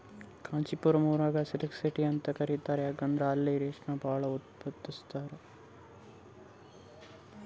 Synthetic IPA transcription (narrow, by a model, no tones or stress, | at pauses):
kaːɲt͡ʃipuɾɐmuːɾaːɡɐsiliksiʈiɐnt̪ɐkɐɾit̪aːɾeaːɡɐnd̪ɾaɐlːiɾeːʂnɐbʱaːɭɐut̪̚pɐt̪ːist̪aːɾe